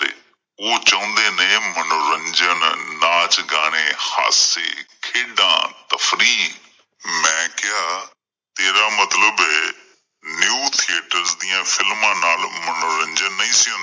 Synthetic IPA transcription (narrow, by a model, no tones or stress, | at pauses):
ḛ | oːt͡ɕɐʋə̃nd̪enɐẽmɐnoːɾə̃ɲd͡ʒənnaːt͡ʃɡaːɽ̃eha̰ːsḛkʰeːɖã̰ːt̪ɐfɾiː | mɛ̃ːkɪjaː | t̪eːɾamɐt̪ləbɛ | njuːt̪ʰieːʈəɾzd̪iːãfɪlmãːnaːlmɐnoːɾə̃ɲd͡ʒənːɐĩsiũn